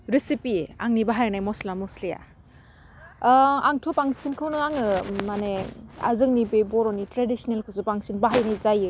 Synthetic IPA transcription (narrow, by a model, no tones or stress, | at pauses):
ɾisipiaŋnibaɦajanajmɔslamɔsleja̰ | a̰ŋtʰɔpaŋsinkʰɯwnɯaŋɯmanea̰zɯŋ̚nibebɔɾɔnitɾedisɔnelkʰɯsɯpaŋsinbaɦajnajzajɯ